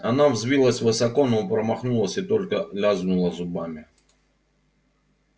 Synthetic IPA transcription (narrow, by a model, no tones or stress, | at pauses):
ɐnavzvʲilˠəsʲvɨsɐko̞nopɾəmɐxnulˠəsʲɪt̪o̞lʲkəlʲaznʊlˠəzʊbamʲɪ